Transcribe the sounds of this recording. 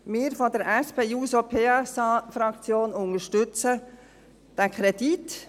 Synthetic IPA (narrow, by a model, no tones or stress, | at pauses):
mɪːɾfɔdəɾɛspʰeːuːsopʰeːɛsɑːfɾɑkt͡sjoːnʊŋəʃtʏt͡sə | d̪̥ækʰχɾɛd̥it